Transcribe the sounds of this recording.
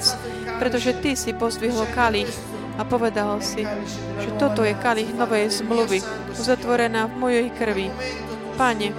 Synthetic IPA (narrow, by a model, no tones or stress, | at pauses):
t͡s | pɾɛt̪ɔʒɛt̪isipɔzbiɦɔlkaliːx | apɔʋɛd̪alsi | ʒ̥ɛt̪ɔt̪ɔjɛkaliːxnɔʋɛjzmluʋi | uzat̪ʋɔɾɛnaːvmɔjɛjkr̩ʋi | paɲɛ